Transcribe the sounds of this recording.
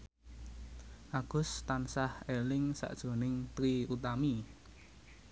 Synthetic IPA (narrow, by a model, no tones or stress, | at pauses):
ʔaɡ̥ʊ̤st̪ansahelɪŋsa̰ʔd̥ʒ̥o̤nɪŋt̪ɾiut̪̬ami